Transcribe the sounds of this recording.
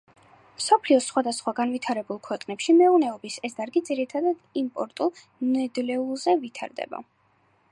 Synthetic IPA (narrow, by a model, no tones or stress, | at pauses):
msɔpʰliɔsχwad̪asχwaɡanvit̪ʰaɾɛbulˠkʰwɛqʼnɛpʃimɛunɛɔbisɛsd̪aɾɡid̪ziɾit̪ʰad̪ad̪impʼɔɾt̪ʼulˠ | nɛd̪lɛulˠzɛvit̪ʰa̰ɾd̪ɛ̰ba̰